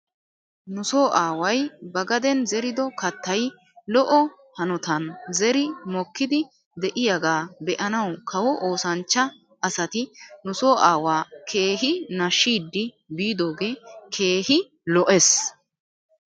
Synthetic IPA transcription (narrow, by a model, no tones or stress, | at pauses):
nʊsoːʔaːwɐjbɐɡɐd̪ɛnzɛɾɪd̪ɔkɐt̪ːɐj | lɔʔɔ | hɐnɔt̪ɐnzɛɾɪmɔkːɪd̪ɪ | d̪ɛʔɪjɐɡaːbɛʔɐnɐwkʰɐwɔʔoːsɐnt͡ʃːɐ | ɐsɐt̪ɪnʊsoːʔaːwaːkʰe̞ːɦɪnɐʃːiːd̪ːɪ | biːd̪o̞ːɡeːkʰe̞ːɦɪ | lɔʔes